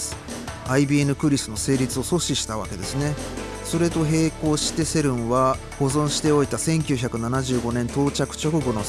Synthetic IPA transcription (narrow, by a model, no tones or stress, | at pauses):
sɨ̥ | aibʲienɯ̟kɯ̟ɾʲisɨno̞se̞ːɾʲit͡sɨo̞so̞ɕiɕi̥t̪aβ̞a̰ke̞d̪e̞sɨne̞ | so̞ɾe̞t̪o̞ɦe̞ːko̞ːɕi̥t̪e̞se̞ɾɯ̟̃ɰ̃βa | ɡ̥o̞zõ̞ɰ̃ɕi̥t̪e̞o̞it̪asẽ̞ŋkʲɨːçakɯ̟nanaʑɨːɡo̞nẽ̞nt̪o̞ːt͡ɕakɯ̟̥t͡ɕo̞kɯ̟ɡo̞no̞